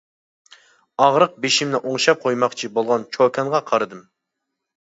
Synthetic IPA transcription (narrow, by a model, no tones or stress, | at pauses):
ɑʁɾəq̚beʃimnɪʔoŋʃɑp̚qʰojmɑχt͡ʃʰibolˠʁɑnt͡ʃʰokʰʲɛnʁɑqʰɑɾɨd̪ɨm